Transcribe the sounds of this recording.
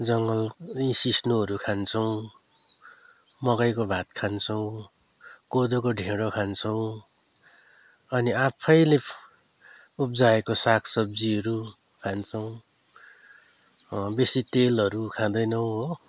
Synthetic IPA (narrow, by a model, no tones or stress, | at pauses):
d͡zʌŋɡʌlĩsisnuɦʌɾukʰant͡sʰʌw̃ | mʌkʌjkobʱat̪̚kʰant͡sʰʌw̃ | kod̪okoɖʱẽɽokʰant͡sʰʌw̃ | ʌniapʰʌjle | up̚d͡zaekosakʰsʌb̚d͡ziɦʌɾu | kʰant͡sʰʌw̃ | besit̪elɦʌɾukʰãd̪ʌjnʌwɦo